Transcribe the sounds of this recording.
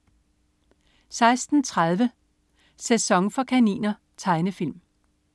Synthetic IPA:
sɑ̈ɪsd̥n̩t͡sʰʁað̞ˠʋə | sesɒ̽ŋfɒ̽kʰænḭːnɐ | t͡sʰɑ̈ɪnəfil̰m

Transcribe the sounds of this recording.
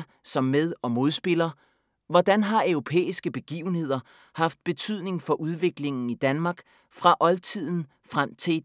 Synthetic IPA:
sɒ̽mːeðˠɒ̽mo̝ð̞ˠsb̥e̝lɐ | ʋɒd̥ænɦɑ̈œʊʁo̝pʰḛːisɡ̥əb̥e̝ɡ̥ḭːʊn̩he̝ð̞̰ˠɐ | hɑ̈fd̥̚b̥e̝t͡sʰyð̞̰ˠne̝ŋfɒ̽ʔuð̞ˠʋe̝ɡ̥le̝ŋn̩id̥ænmɑ̈ːɡ̥ | fʁɑ̈ʔɒ̽lt͡sʰið̞̰ˠn̩ | fʁam̰t͡sʰe̝

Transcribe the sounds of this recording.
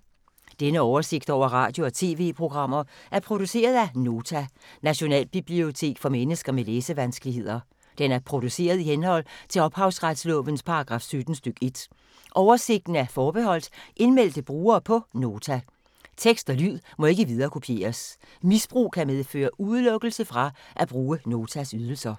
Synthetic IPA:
d̥enəɒʊɐse̝ɡ̥̚d̥ɒʊ̰ɐʁɑ̰̈ːd̥jo̝ɒ̽t͡sʰe̝̰ːʋe̝̰ːpʰʁo̝ɡ̥ʁɑ̈m̰ɐʔæɐpʰʁo̝d̥use̝̰ːɐð̞̩ˠæno̝ːt͡sʰænæɕo̝nɛ̰ːlb̥ib̥lio̝t͡sʰe̝̰ːɡ̥fɒ̽menəsɡ̥ɐmeleːsəʋænsɡ̥əlihe̝ð̞̰ˠɐ | d̥enæɐpʰʁo̝d̥use̝̰ːɐð̞̩ˠihenhɒ̽l̰t͡sʰe̝lɒ̽b̥hɑ̈ʊsʁad̥slɔ̽ʋənspʰɑ̈ɑ̈ɡ̥ʁɑ̈ːfsød̥n̩sd̥øɡ̥e̝d̥ | ʔɒʊɐse̝ɡ̥̚d̥n̩æɐfɒːb̥eɦɒ̽l̰d̥ʔe̝nmel̰d̥əb̥ʁuːɐːpʰɒ̽no̝ːt͡sʰæ | t͡sʰeɡ̥sd̥ɒ̽lyðˠmɒ̽e̝ɡ̥əʋiðˠɐːkʰo̝pʰie̝̰ːɐs | misb̥ʁṵːkʰæmeðˠfø̰ːɐʔuð̞ˠlɔ̽ɡ̥l̩səfʁɑ̈ʔæb̥ʁuːəno̝ːt͡sʰæsyð̞ˠl̩sɐ

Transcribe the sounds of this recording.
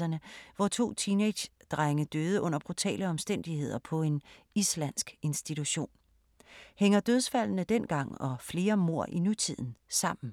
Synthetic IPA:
ɐnəʋɒt͡sʰo̝̰ːt͡sʰine̥ɕd̥ʁaŋəd̥øːð̞ˠəʔɔ̽n̰ɐb̥ʁut͡sʰɛ̰ːləɒ̽msd̥en̰d̥ihe̝ð̞̰ˠɐpʰɒ̽e̝n | islæn̰sɡ̥e̝nsd̥it͡sʰuɕo̝̰ːn | heŋɐd̥øð̞ˠsfæl̰nəd̥en̰ɡ̥ɑ̈ŋ̰ɒ̽fle̝ːɐmo̝ɐ̰ʔinut͡sʰið̞̰ˠn̩sɑ̈m̰n̩

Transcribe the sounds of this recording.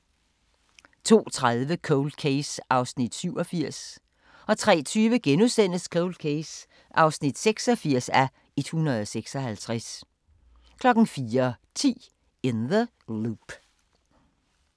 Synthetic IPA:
t͡sʰo̝̰ːt͡sʰʁaðˠʋəkʰoʊld̥̚kʰeɪsʔɑ̈ʊsnid̥syʊ̰ɒ̽fiɐ̰s | ɒ̽t͡sʰʁɛ̰ːt͡sʰyːʋəɡ̥enuðˠsen̰əskʰoʊld̥̚kʰeɪs | ʔɑ̈ʊsnid̥seɡ̥sɒ̽fiɐ̰sæ | e̝d̥hunɐð̞ˠɒseɡ̥sɒ̽hælt͡sʰʁas | kʰlɒ̽ɡ̥n̩fiːɐt͡sʰḭː | enðə | lub̥

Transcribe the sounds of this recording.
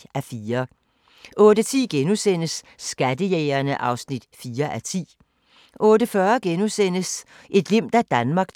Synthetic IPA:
æfiːɐ | ʔɔ̽ːd̥ət͡sʰḭːɡ̥enusen̰əsːɡ̥æd̥əjeːɪɐnəʔɑ̈ʊsnid̥fiːɐʔæt͡sʰḭː | ʔɔ̽ːd̥əfɶːɐɡ̥enusen̰əs | ʔe̝d̥le̝m̰d̥æd̥ænmɑ̈ːɡ̥

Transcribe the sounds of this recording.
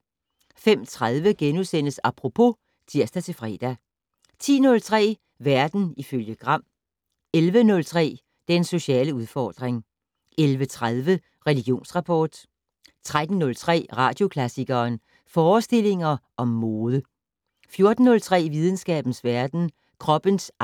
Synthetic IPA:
fem̰t͡sʰʁað̞ˠʋəɡ̥enusen̰əsɑ̈pʰʁo̝pʰo̝ | t͡sʰiɐsd̥æt͡sʰe̝fʁɛ̰ːd̥æ | t͡sʰḭːnɔ̽lt͡sʰʁɛ̰ː | ʋæɐd̥n̩iføljəɡ̥ʁɑ̈m̰ | elʋənɔ̽lt͡sʰʁɛ̰ː | d̥enso̝ɕɛ̰ːləuð̞ˠfɒ̰ːd̥ʁeŋ | elʋət͡sʰʁaðˠʋə | ʁɛliɡ̥jo̝̰ːnsʁɑ̈pʰɒːd̥ | t͡sʰʁad̥n̩ːɔ̽lt͡sʰʁɛ̰ːʁɑ̈d̥jo̝kʰlæsiɡ̥ɐːn | fɒːsd̥e̝le̝ŋɐʔɒ̽mːoːðˠə | fjo̝ɐd̥n̩ːɔ̽lt͡sʰʁɛ̰ːʋið̞ˠn̩sɡ̥ɛ̰ːb̥n̩sʋæɐd̥n̩ | kʰʁɒ̽b̥əns

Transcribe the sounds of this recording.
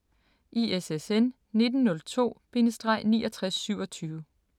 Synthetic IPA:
ʔiesesen | ne̝d̥n̩ːɔ̽lt͡sʰo̝̰ːb̥e̝nəsd̥ʁɑ̈ɪ̰niːʔɒ̽t͡sʰʁasːyʊɒ̽t͡sʰyːʊʋə

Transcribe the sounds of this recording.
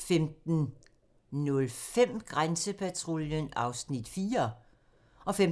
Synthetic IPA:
femd̥n̩ | nɔlfem̰ɡ̥ʁansəpʰæt͡sʰʁoljənɑ̈ʊsnid̥fiːɐ | ɒ̽fem

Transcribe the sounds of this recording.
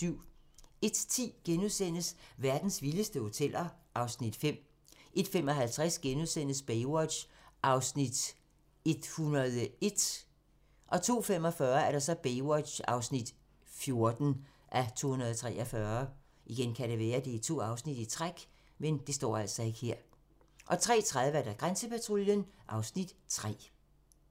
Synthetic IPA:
yʊ̰e̝d̥t͡sʰḭːɡ̥enuðˠsen̰əsʋæɐd̥n̩sʋiləsd̥əho̝t͡sʰel̰ʔɐʔɑ̈ʊsnid̥fem̰ | ʔe̝d̥fem̰ɒ̽ɦælt͡sʰʁasɡ̥enuðˠsen̰əsb̥eɪwɒ̥ɕ | ʔɑ̈ʊsnid̥ | e̝d̥hunɐðˠəe̝d̥ | ʔɒ̽t͡sʰo̝̰ːfem̰ɒ̽fɶːɐæɐɾ̥ɑ̈sɒ̽b̥eɪwɒ̥ɕɑ̰̈ʊsnid̥ | fjo̝ɐd̥n̩ | ʔæt͡sʰo̝̰ːunɐðˠt͡sʰʁɛ̰ːʔɒfɶɐ | ʔiɡ̥enkʰæɾe̝ʋɛːɐd̥e̝t͡sʰo̝̰ːɑ̈ʊsnid̥it͡sʰʁaɡ̥ | mend̥e̝sd̥ɒ̰ːæl̰sɒ̽e̝ɡ̥heɐ̰ | ʔɒ̽t͡sʰʁɛ̰ːt͡sʰʁaðˠʋæɐd̥æɡ̥ʁansəpʰæt͡sʰʁo̝ljənʔɑ̈ʊsnid̥t͡sʰʁɛ̰ː

